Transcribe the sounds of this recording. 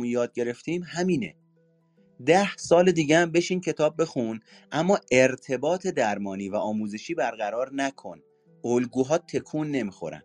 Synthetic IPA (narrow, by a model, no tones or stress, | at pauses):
unjɒːd̪̚ɟe̞ɾe̞ft̪ʰimhæmiːnḛ | d̪æhsɒːled̪iːɟeæmbe̞ʃiːncʰe̞t̪ʰɒːb̚ːe̞xun | ʔæmːɒːʔe̞ɾt̪ʰe̞bɒːt̪ʰe̞d̪æɾmɒːniːvæʔɒːmuːze̞ʃiːbæɾɣæɾɒːɾnækʰo̞̰n | olɡuːɦɒːt̪ʰe̞kʰuːnːe̞miːxo̞̰ɾæ̰n